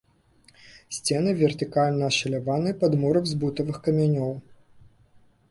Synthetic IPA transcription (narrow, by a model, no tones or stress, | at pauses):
sʲt͡sʲɛnɨvʲɛrt̪ɨkalʲnɐːʂɐlʲavanɨpɐd̪muɾɐwzbut̪ɐvɨxkɐmʲanʲɔw